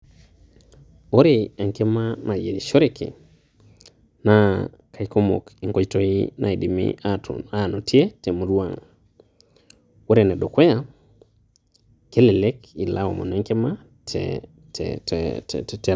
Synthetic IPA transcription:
o˦ɾe˦a˨ŋke˦ma˦na˨je˨i˨ʃo˦ɾe˨kḭ˨ | na | ka˨i˦ko˦mo̰˨ki˨ŋɡo˦d͡ʒto˦i˦nʔa̰˨i˨di˨mḭata˦˨no˨tje˦te˨mo˨ɾwa˨ŋ | wo˦ɾe˨ne˨do˨kwe˦ja˦ | ke˦le˨le˦ki˨la˦wo̰˨mo̰˨nɛ˦ŋke˦ma˦ | tʰ | ttɛ˨

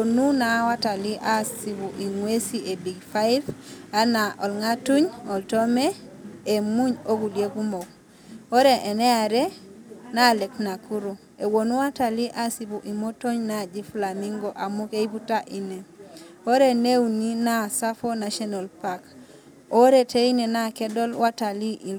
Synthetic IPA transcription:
wonu˦nawa˦ta˨li˦ʔa˦si˨bu˨ʔi˨ŋwe˦sie˨bi˨ɡfajiva˦naʔo˨lŋatu˦ɲo˨ltome˦ | e˨mu˦ɲo˦ku˨lje˦ku˦mo˨k̚ | o˦ɾe˨ʔe˨ne˦a˨ɾe˦nale˨kna˨ku˦ɾu˨ | e˨wo˨nu˦wa˦ta˨li˦ʔa˦si˨pu˨ʔi˨mo˦to˦ɲna˦˨d͡ʒi˦fla˨miŋɡo˨ʔa˨mu˦ke˦i˦pu˦ta˦ʔi˦ne˨ | o˦ɾe˦ne˦wuni˦na˦sa˦fo˦na˨ʃɔ˦na˨lpa˦k | o˦ɾe˨te˦i˦ne˨na˦ke˦do˦lwa˦ta˨li˦ʔi˨l

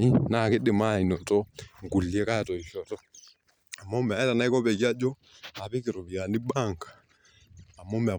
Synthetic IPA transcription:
i˦na˦˨kɪ˦dɪ˨ma˦˨i˨nɔ˨tɔ˦ŋ˨ɡu˨li˨ɛ˦ka˦˨tɔ˨i˨ʃɔ˨tɔ˦ | a˨mːɔ˦mɛ˨a˨˦ɛ˦ta˨na˦i˦kɔ˦pɛ˨ki˦a˦d͡ʒɔ˦ | a˨pɪ˦kɪ˨ɾɔ˨βi˨a˨ni˦ɓa˦˨ŋɡḁː˨ | mːɔ˦mɛ˨a˨

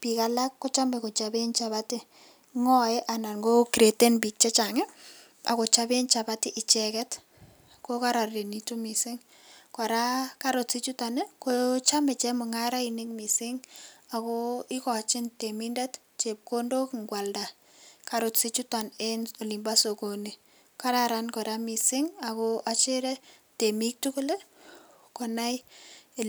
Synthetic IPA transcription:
pi˨kala˦kːɔ˦t͡ʃa˦mɛ˨ko˨t͡ʃabent͡ʃa˨βatɪ˦ | ŋɔ˦ɛ˦ʔa˨na˨nɡo˦kiɾe˨te˦nbi˨k̚t͡ʃɛ˦t͡ʃa˨ŋɛ˦ | a̰˨ko˨t͡ʃa˦be˦nt͡ʃa˨batɪ˦ʔɪ˨t͡ʃɛkɛ˦t | ko˦ka˦ɾa˨rde˨nitu˦mi˨sɪ˦ŋ | ka˨ɾa˦kaɾo˨tsi˦t͡ʃu˦ta˨nɛ˦nkot͡ʃa˦mɛ˨t͡ʃɛ˦mɔ˨ŋa˦ɾa˦inɪkmi˨sɪŋa˨koɪ˦kɔt͡ʃɪ˦nteminda˦t | t͡ʃep̚ko˦ndo˦kŋɡwa˨lda˨ | kaɾo˨tsi˦t͡ʃutaneno˨limba˦so˨kone˨ | ka˦ɾaɾankɔ˨ɾami˨sɪ˦ŋa˨koʔat͡ʃe˦ɾɛte˨mik̚tu˦ko˦le˦ | kɔnaj

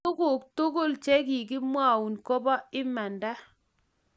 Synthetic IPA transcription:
o˦ko˨k̚to˦ko˦lt͡ʃɛ˦ki˨k̬ɪ˦mwa˦˨u˨nkɔ˦ba˦ɪ˦ma˨nda˦

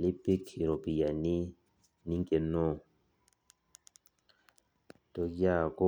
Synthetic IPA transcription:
li˦pi˦ki˨ɾo˨pi˨ja˨ni˦ | ni˦ŋke˨nɔ˦˨ | to˦ja˦˨ko˦

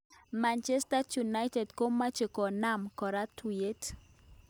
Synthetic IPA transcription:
ma˨nt͡ʃɛ˦sta˦ju˨na˦jtɛ˨dko˦mːa˦t͡ʃe˨ko˨na˦mkɔ˨ɾa˦tue˦t

